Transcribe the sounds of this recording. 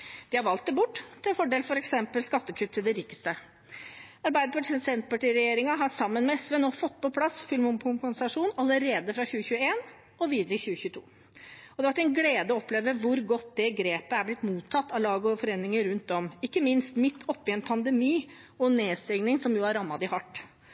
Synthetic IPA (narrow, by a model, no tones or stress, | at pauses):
d̪̥ɪhɑɾʋɑlt̪̚d̪ɛbʊʈːt̪ʰɪɛfɔɖeːlfɔɾɛksɛmpəlskɑt̪ːəkʰʉt̪ʰːɪld̪ɛɾiːkə̥st̪ə | ɑɾbæɪd̪əpɑʈsɛnsɛnt̪pɑʈiːɾɛjeːɾɪŋɑɦɑsɑmːənmɛɛsʋɛːnoːfɔt̪ːpʰɔpʰlɑsfʏlmʊmpʰʊmkʊnsɑʂuːnɑləɾeːd̪əfɾɑçʉːəçʉːəeːn | ɔʋiːd̪əɾəçʉːəçʉːt̪ʰṵː | ɔd̪ɛʋɑʈɛɪnɡleːd̪əɔɔpleːʋəʋʊɾɡɔt̪ːd̪ɛɡɾeːpəæblɪt̪muːt̪ʰːɑt̪ːɑʋlɑːɡəɔfɔɾeːnːɪŋəɾʉnt̪̚d̪ɔmɪkːəmɪnst̪mɪt̪ːɔpːɪɛnpʰɑnd̪ɛmiː | ɔnːeːst̪ɪŋnɪŋsɔmjʊæɾɑmːɑd̪ɪhɑʈː